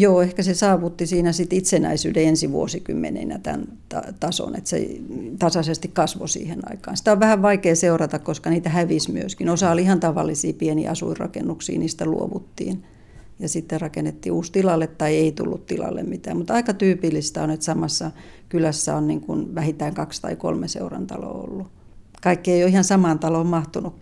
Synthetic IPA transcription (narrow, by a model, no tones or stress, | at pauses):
joːehkæsesɑːʋut̪ːisiːnæsit̪it̪senæ̰isy̰ːdeensiʋuosikymːḛnḛnæ̰t̪æ̰n | t̪ɑt̪ɑso̰nḛt̪sḛt̪ɑsɑsest̪ikkɑsʋo̰sḭːhenɑ̰ikɑ̰ːnsi̥t̪æoʋʋæhæʋʋɑikeːseurɑt̪ɑkkoskɑniːt̪æhæʋismyøskinosɑolihɑnt̪ɑʋɑ̰lːisḭːpienḭːɑsṵirrɑ̰kenːuksḭːniːst̪ælṵo̰ʋut̪ːḭːn | jɑsit̪ːerrɑkenːet̪ːḭːuːst̪ilɑlːet̪tɑieit̪ṵlːut̪t̪ilɑ̰lːḛmmit̪æ̰ːmmut̪ɑikɑt̪yːpilːist̪æonet̪sɑmɑsːɑ | kylæsːæonniŋkunʋæhint̪æiŋkɑkst̪ɑ̰iko̰lmesḛurɑ̰nt̪ɑ̰lo̰o̰lːu | kɑikːieijoihɑnsɑmɑːnt̪ɑlommɑht̪unuk